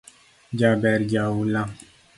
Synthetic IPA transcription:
d͡ʒabɛɾd͡ʒawulãŋ

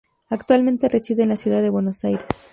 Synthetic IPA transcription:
akt̪walmẽnt̪e̞re̞siðenlasjuðaðe̞βwe̞no̞sajɾe̞s

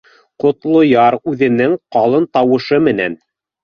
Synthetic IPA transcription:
qŏt̪lˠŏjɑɾʉðɘ̆nɘŋqɑlˠɤnt̪ɑwɤ̆ʃɤmɘ̆næ̰n

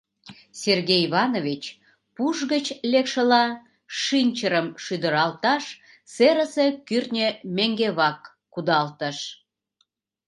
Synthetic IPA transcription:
sʲerɣejiβɑnovʲit͡ɕ | puʃɣət͡ɕlekʃə̆lɑ | ʃinʲt͡ɕəɾəmʃyd̪əɾɑlt̪ɑʃ | seɾəse̽kyrnʲemeŋɡeβɑkː | ud̪ɑlt̪əʃ

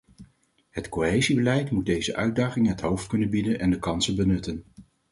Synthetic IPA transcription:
ɦətkoɦejzibəlɛjtmud̚dejzəʔœɥ̚daːχɪŋəɦətɦowftkɵnənbidənʔɛndəkɑnsənbənɵtən

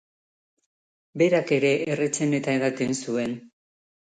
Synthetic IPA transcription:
be̞ɾake̞ɾe̞ʔːret͡se̞ne̞t̪aeɣat̪e̞nsue̞n

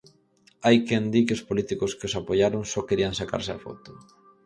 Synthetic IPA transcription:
ajkɛnd̪ikɪospolit̪ikʊskɪosapoʎaɾʊŋsɔkeɾiaŋsaka̰ɾsɪafɔ̰t̪ʊ̥

